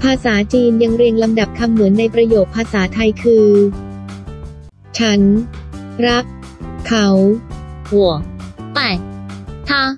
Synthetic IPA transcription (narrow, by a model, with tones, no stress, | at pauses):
pʰaː˧saː˩˦t͡ɕiː˧nja˧ŋɾi˧əŋla˧mda˨˩p̚kʰa˧mːɯ˩˦nːa˧jpɾa˧joː˨˩t̪̚pʰːaː˧saː˩˦t̪ʰa˧jkʰɯː˧ | t͡ɕʰa˦˥n | ɾa˦˥k̚ | kʰa˩˦whu˨˩˦ət̪a˨˩t̪ʰa˧˥